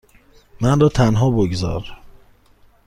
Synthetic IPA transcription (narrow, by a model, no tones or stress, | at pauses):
mænrɒːt̪ʰænɦɒːboɡzɒ̰ːɾ